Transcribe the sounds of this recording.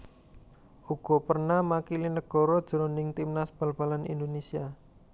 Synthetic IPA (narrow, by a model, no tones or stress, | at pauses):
ʔuɡ̥ɔ̤pərnahmakilinəɡ̥ɔ̤ɾɔd̥ʒ̥əɾonɪŋt̪imnasb̥a̤lb̥a̤lanḭnd̪onesia